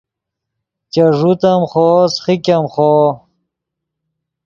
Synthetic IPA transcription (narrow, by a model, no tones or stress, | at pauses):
t͡ɕɐʐut̪ɐmχoːsχikʲɐmχoː